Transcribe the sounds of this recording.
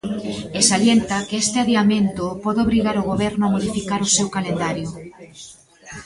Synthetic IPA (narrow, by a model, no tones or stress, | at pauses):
esaljent̪akeɛst̪ɪaðeamẽnt̪opɔðoβɾiɣaɾoɣoβɛɾnʊamoðifikaɾʊsewkalend̪aɾjʊ